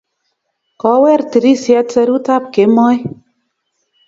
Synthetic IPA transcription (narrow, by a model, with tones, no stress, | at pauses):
kɔ˨˦wɛ˦˨ɾti˨ɾi˦sja˦tsɛ˧ɾu˦ta˦p̚ke˨˦mɔ˦j